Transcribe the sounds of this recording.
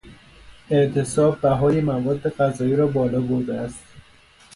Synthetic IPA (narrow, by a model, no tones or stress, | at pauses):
e̞ʔt̪ʰesɒːbːæɦɒːjemævɒːd̪ːeɣæzɒːjiːɾɒːbɒːlɒːboɾd̪eæst̪